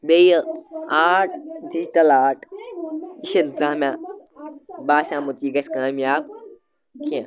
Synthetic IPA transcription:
bejəaːʈʰd̪iːʈɐlaːʈʰ | iʃɐnzaːmã | baːʃãːmut̪jiɡɐsʲkaːmjaːb̚ | kʰijã

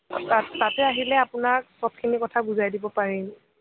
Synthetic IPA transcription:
tatɛaɦilɛapʊnaɹsɔp̚kʰinikɔtʰabuzajdibɔpaɹin

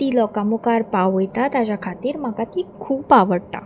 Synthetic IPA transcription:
t̪iːlɔkamukaɾpawʋəjt̪at̪ad͡ʑakʰat̪iːɾm̤akat̪iːkʰuːpaʋəɽʈa̰

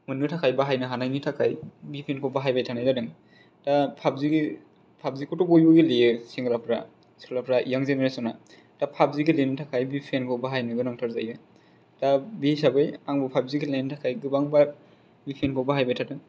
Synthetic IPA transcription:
mɯnɯtʰakʰajbaɦajnɯɦanajnitʰakʰajbipʰenkʰɔbaɦajbajtʰanajzadɯŋ | tapʰabziɡi | pʰab̚zikʰɔtɔbɔjbɯɡilejɯsiŋɡɯlapʰɾa̰ | si̥klapʰɾaʔḭjaŋzeneɾesɔna | tapʰab̚ziɡilenɯtʰakʰajbipʰenkʰɔbaɦajnɯɡɯnaŋtʰaɾzajɯ | tabisabɯjaŋbɯpʰab̚ziɡilentʰakʰajɡɯbaŋba | bipʰenkʰɔbaɦajbajtʰadɯŋ

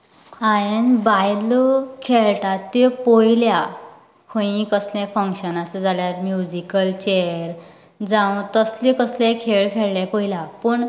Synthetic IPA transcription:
aenbajlɔkʰeɭʈat̪ːepɔjlja | kʰõĩkəslafə̃ŋkɕənasəd͡zʱaljaɾmjud͡ʑikəlt͡ɕeɾ | d͡zãʋt̪əslekəslẽkʰeɭkʰeɭljapɔilapəɳ

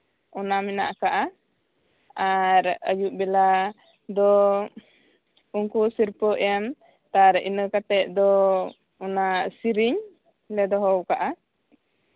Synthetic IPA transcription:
ɔnamɛna̰ʔkaʔa | aɾə̰juʔbɛla | d̪ɔ | uŋkusiɾpəʔjan | t̪aɾḭnəkat̪ɛʔ̪̚ˀd̪ɔ | ɔnasiɾiɲ | lɛd̪ɔɦɔwkaʔa

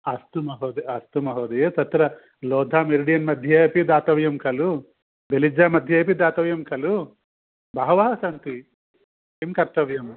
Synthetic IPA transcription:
ɐst̪umɐɦoːd̪eɐst̪umɐɦoːd̪ejesɐt̪ɾɐ | lɔːd̪ʱaːmeɾɽijɐnmɐd̪ʱjɐɐpid̪aːt̪ɐʋjɐmkɐlu | belid͡ʒaːmɐd̪ʱjɐːpid̪aːt̪ɐʋjɐmkɐlu | bɐɦɐʋɐːɦɐsɐnt̪i | imkɐɾt̪ɐʋjɐm

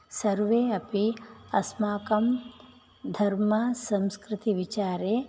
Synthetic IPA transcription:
sɐɾʋeːɐpiɐsmaːkɐm | d̪ʱɐɾmɐsɐ̃mskɾɪt̪iʋit͡ʃaːɾeː

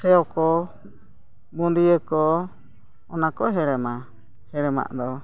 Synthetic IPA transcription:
sɛɔkɔ | bund̪iəkɔː | nakɔɦɛɾɛma | hɛɾɛma̰ʔd̪ɔ

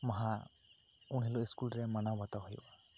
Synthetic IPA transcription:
maɦa | uɳ̃ɦilɔiskulɾɛmanawat̪awɦɔjwa

